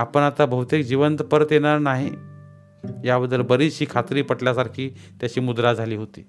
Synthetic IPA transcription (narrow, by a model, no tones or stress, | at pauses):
apəɳat̪abəɦut̪ek̚d͡ʑiʋənt̪pəɾət̪jeɽ̃aɾnaɦi | jabəd̪ːəlbəɾiːt͡sɕiːkʰat̪ɾiːpəɽljasaɾkʰiː | t̪jat͡ɕiːmud̪ɾad͡zʱaliːɦot̪ḭː